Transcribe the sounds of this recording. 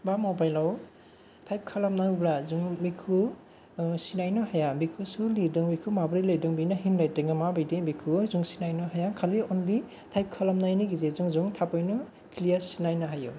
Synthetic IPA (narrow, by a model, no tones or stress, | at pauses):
bamobajlaw | tʰajp̚kʰalamnablazuŋbikʰu | sinajnɔɦajabikʰusulidɯŋmikʰumabɾilɯjdɯŋbinaɦinlajtɯŋamabajdibikʰuzuŋsinajnɔɦajakʰaliɔnli | tʰajp̚kʰalamnajniɡizezuŋzuŋtʰapɔjnɔ | kʰlijaɾsinajnaɦaju